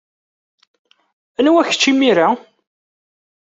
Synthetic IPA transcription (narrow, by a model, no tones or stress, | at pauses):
ænwæçə̥t͡ʃːimiɾa